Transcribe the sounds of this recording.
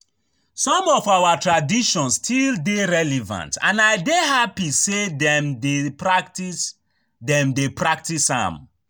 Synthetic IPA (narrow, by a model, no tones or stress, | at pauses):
sɔ̃mɔfawatɹadiʃɔ̃nsstʰildeɹɛlɛvã̰ntã̰naɪdehapisedɛmdepɹaktis | dɛ̃mdepɹak̚tisã̰m